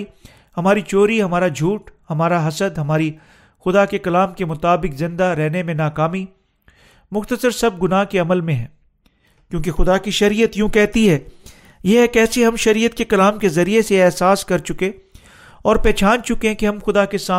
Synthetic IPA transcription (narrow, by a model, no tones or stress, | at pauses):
i | hɐmaːɾit͡ʃoːɾiɦɐmaːɾad͡ʒʱuːʈhɐmaːɾaɦɐsəd̪ɦɐmaːɾi | xʊd̪akekɐlaːmkemʊt̪aːbɪkzɪ̃nd̪aɾɛɦnemẽnaːkaːmi | mʊxt̪əsəɾsɐb̚ɡʊnaːɦkeɐməlmẽɦɛ̃ː | kjõːkexʊd̪akiʃɐɾiːət̪jũːkɛɦt̪iɦɛː | jekɛːseɦɐmʃɐɾiːət̪̚kekɐlaːmkezɐɾieseɛːɦsaːskɐɾt͡ʃʊkẽ | ɔːɾpɛːt͡ʃaːnt͡ʃʊkẽkeɦɐ̃mxʊd̪akesaː